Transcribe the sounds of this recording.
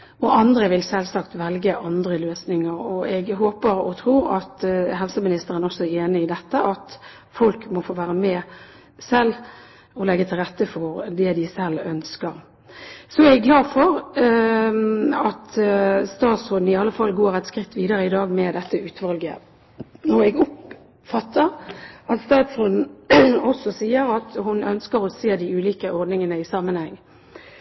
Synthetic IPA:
ɔʔɑnd̪ɾəʋɪlsɛlsɑkt̪ʋɛlɡəʔɑnd̪ɾəløːsnɪŋəɾɔɛɡɦoːpəɾɔt̪ʰɾuːɾɑt̪ɦɛlsəmɪnɪst̪əɾənɔsːɔæeːnɪɪd̪ɛt̪ːəʔɑt̪ | fɔlkmɔfoːʋæːɾəmɛ | sɛlː | ɔlɛɡːət̪ʰɪlʁɛt̪ːəfɔɾd̪ɛd̪ɪsɛlːœnskəɾ | sɔæɾɛɡlɑːd̪fɔɾ | ɑt̪st̪ɑːt̪sʁʊd̪n̩ɪɑlːəfɑlːɡoːɾɛt̪skɾɪt̪ːʋiːd̪əɾəɪd̪ɑːɡmɛd̪ɛt̪ːəʉːt̪ʋɑlɡə̰ | nɔʁɛɡʊp | fɑt̪ːəɾʔɑt̪st̪ɑːt̪sʊd̪n̩ɔsːɔsiːəɾɑt̪hʊnœnskəɾɔseːd̪ɪʉːliːkəʔɔʁd̪nɪŋənəɪsɑːmənhɛŋː

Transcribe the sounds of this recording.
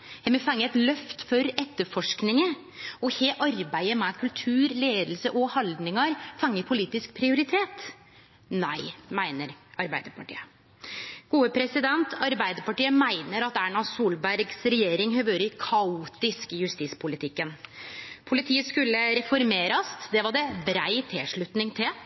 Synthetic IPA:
hɛmɛfɑŋːəɛt̪lœft̪fɔɾɛt̪ːəɾfɔʂknɪŋə | ɔheːʔɑɾbæɪəmɛkʰʉlt̪ʰʉːɾleːd̪l̩səʔɔhɑld̪nɪŋɑɾfɑŋːəpʰʊliːt̪ɪsk̚pʰɾɪʊɾɪt̪ʰeːt̪ | næɪmæɪnəɾʔɑɾbæɪd̪əɾpʰɑʈḭːə | ɡ̥uːəpʰɾɛsɪd̪ɛnt̪ʰɑɾbæɪd̪əɾpɑʈiːəmæɪnəɾɑt̪æɳɑsuːlbæɾɡsɾɛjeːɾɪŋɦœʋøːɾəkʰɑuːt̪ɪskɪjʉst̪iːspʰʊlɪt̪ʰɪkːənpʰʊlɪt̪ʰiːəskʉlːəɾɛfɔɾmeːɾɑsd̪ɛʋɑɖɛbɾæɪt̪ʰɪlʂɭʉt̪nɪŋt̪ʰɪl

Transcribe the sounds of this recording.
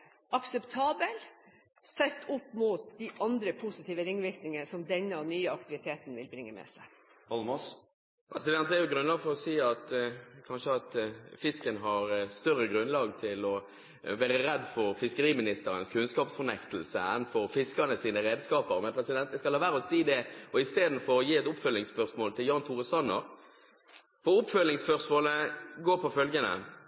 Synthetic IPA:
ʔɑksɛpt̪ʰɑːbəl | sɛt̪ːʊpːmut̪d̪iʔɑnd̪ɾəpʰʊsɪt̪ʰiːʋəɾɪŋːʋɪɾknɪŋəsɔmd̪ɛnːəɔnyːəɑkt̪ɪʋɪt̪ʰeːt̪n̩ʋɪlbɾɪŋːəmɛ̰sæ̰ɪ | ɑlmos | pʰɾɛsɪd̪ɛnt̪d̪ɛɾjʊɡɾʉnlɑːɡfɔɾɔsiːɑt̪kʰɑnʃəɑt̪fɪskənɦɑɾst̪œʁːəɡɾʉnlɑːɡt̪ʰɪlɔ | ʋæːʁəʁɛd̪fɔʁfɪskəɾiːmɪnɪst̪əɾənskʰʉnskɑːpsfɔʁnɛkt̪əlsə̰ɛnfɔʁfɪskɑnəsiːnəʁeːd̪skɑːpəɾmɛnpʰʁɛsɪd̪ɛnt̪d̪ɛskɑlhɑːʋæːʁɔsiːd̪ɛɔɪst̪eːd̪n̩fɔʁɔjiːɛt̪ʊpfœlːɪŋspœʁsmoːlt̪ʰɪljɑːnt̪ʰuːʁəsɑnəɾ | pʰɔʊpfœlːɪŋspœʁsmoːləɡoːʁpʰɔfœlɡənə̰

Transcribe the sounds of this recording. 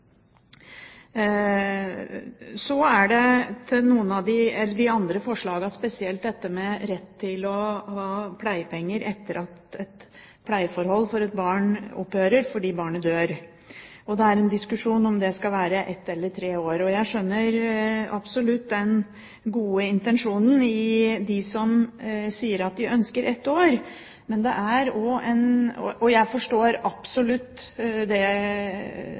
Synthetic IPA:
sɔæɖɛt̪ʰɪnuːənɑd̪ɪɛlːəɖɪɑnd̪ɾəfɔʂɭɑːɡɑspɛsɪɛlt̪̚d̪ɛt̪ːəmɛɾɛt̪ʰːɪlɔhɑːpʰlæɪəpʰɛŋːəɾʔɛt̪ːəɾʔɑt̪ɛt̪ | pʰlæɪfɔɾhɔlːfɔɾɛt̪̚bɑːɳɔ̰pːøːɾəɾfɔɖiːbɑːɳəd̪øːɾ | ɔd̪ɛæɾɛnd̪ɪskʉʂuːnɔmd̪ɛskɑʋæːɾəʔɛt̪ːɛlːəɾʈʰɾeːoːɾɔjæɪʂœnːəɾɑ̰psɔlʉt̪ːd̪ɛn | ɡuːəɪnt̪ɛnʂuːnn̩ɪd̪ɪsɔmsiːəɾɑt̪̚d̪ɪʔœnskəɾʔɛt̪ːoːɾ | mɛnd̪ɛ̰ʔæɾɔɛnɔ̰ʔɔjæɪfɔʂʈoːɾɑpsɔlʉt̪ːd̪ɛ

